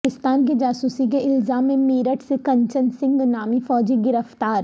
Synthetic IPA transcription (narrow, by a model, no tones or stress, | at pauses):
ɪst̪aːnk̬id͡ʒaːsuːsik̬eʔɪlzaːmːẽmiːɾəʈsekɐ̃ɲt͡ʃənsɪ̃ŋɡnaːmifɔːd͡ʒiɡɪɾəft̪aːɾ